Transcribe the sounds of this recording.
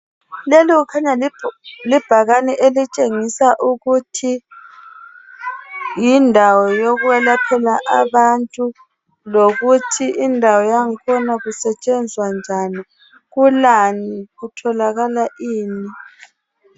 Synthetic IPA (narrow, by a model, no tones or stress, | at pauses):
leliɣukʰaɲa | lib̥ʱaɣaniʔelit͡ʃʼeŋisaʔuɣutʰi | jindʱawɔjoɣuwɛlapʰɛlaʔaβantʼu | loɣutʰiʔindʱawɔjaŋikʰɔnaɣusɛt͡ʃʼɛnd͡zʱwand͡ʒʱani | ɣulaniɣutʰɔlaɣalaʔiːni